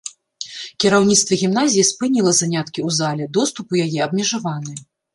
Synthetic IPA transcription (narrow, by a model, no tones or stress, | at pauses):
kʲɛɾawnʲit̪st̪vɐɣʲimnazʲijispɨnʲilˠɐzanʲat̪kʲiwzalʲɛd̪ɔst̪upujajɛɐbmʲɛʐavanɨ